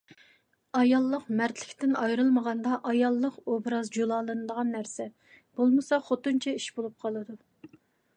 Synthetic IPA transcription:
ɑjɑlˠːəqmæɾt̪ʰlɪkʲt̪ɪnɑjɾɨlˠməʁɑnd̪ɑʔɑjɑlˠːəqobɾɑzd͡ʒolˠɑːlˠɨnɨd̪əʁɑnːæɾsɛ | b̥olˠmɨsɑχot̪ɨnt͡ʃʰɛiʃbolˠup̚qʰɑlˠɨd̪u

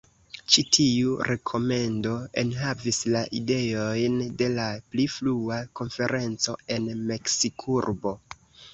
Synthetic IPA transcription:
t͡ʃitʰiuɾʔe̞kʰo̞me̞ndo̞e̞̰nɦavislaʔide̞o̞jnde̞laplifluako̞nfe̞ɾʔe̞nt͡so̞e̞nme̞ksikʰuɾbo̞

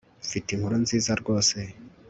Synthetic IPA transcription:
fitiŋhuɾunziːzaɾɡo̞ːse̞

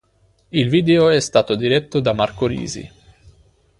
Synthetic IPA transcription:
ilviːd̪eoɛst̪aːt̪od̪iɾɛt̪ːod̪amarkoɾḭːzḭ

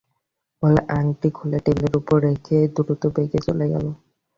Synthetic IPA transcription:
boleʔaŋʈikʰuleʈebleɾupoɾːekʰed̪uɾut̪obeɡet͡ɕoleɡɛ̰lo

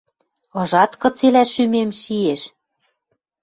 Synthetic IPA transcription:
ɤ̆ʒɑt̪kɤ̆t͡selæʃymemʃieʃ

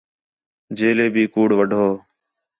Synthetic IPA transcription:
d͡ʒeːleːbʱiːkuːɽʋəɖʱoː

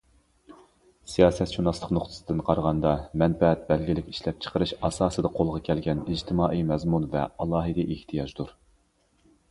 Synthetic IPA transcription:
sijɑːsɛt̪ʃunɑslˠəqnoχt̪ʰɨ̥sɨd̪ɨnqʰɑɾʁɑnd̪ɑmɛnfɛɛt̪̚bɛlɡʲilɪkʲi̥ʃlɛp̚t͡ʃʰə̥qʰəɾɨʃɑsɑːsɨd̪ɑqʰolˠʁɑkʲʰɛlɡʲɛnid͡ʒt̪ʰɨmɑːʔijmɛzmunvɛ̰ɑlˠɑːɦɨd̪ɪʔeht̪ʰijɑd͡ʒd̪uɾ

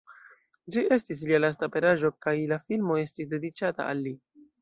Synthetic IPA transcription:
d͡ʒiʔe̞stis̬lialas̬tape̞ɾaʒo̞kajlafilmo̞e̞stis̬de̞dit͡ʃata̰a̰lːi

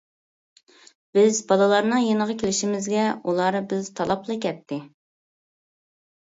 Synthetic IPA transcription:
b̥ɪzbɑlˠɨlˠɑɾnɨŋjenəʁɑkʲʰelɪʃimɪzɡʲɛulˠɑɾɨbɪzt̪ʰɑlˠɑplˠɨkʲʰɛt̪ʰːɪ

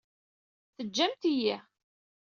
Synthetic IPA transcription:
θəd͡ʒːæmt̪iji

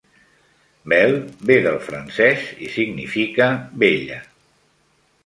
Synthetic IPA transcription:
bɛlˠbeðəlˠfɾənsɛzisiɡnḭfikəβeʎə

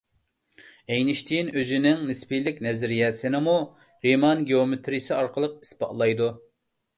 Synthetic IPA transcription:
ejnɪʃt̪ʰinøzɪnɪŋnɪspilɪkʲnɛzɪɾijɛt̪sɪnɪmu | ɾemɑnɡʲeomet̪ʰɾijsɨɑɾqəlˠəq̚i̥spɑ̰ʔlˠɑjd̪u

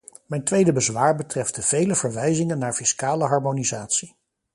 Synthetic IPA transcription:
mɛjntʋejdəbəzʋaːɹbətrɛfdəv̥ejləvəɹʋɛjzɪŋənːaːɹfiskaːləɦɑɹmonizaːtsi

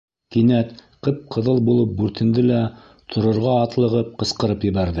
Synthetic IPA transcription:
kinæt̪qɤp̚qʰɤ̆ðɤlˠbulˠɤp̚bʉɾt̪ʰɘ̆nd̪ɘlæ | t̪ʰŏɾŏɾʁɑːt̪lˠɤ̆ʁɤp̚qɤ̆sqɤ̆ɾɤpjɘ̆βæɾðɘ

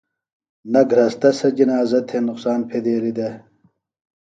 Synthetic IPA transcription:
nɐɡʱɾɐst̪ɐsɐd͡ʑinaːzɐt̪ʰhenʊqsaːnpʰeːd̪eːlid̪e

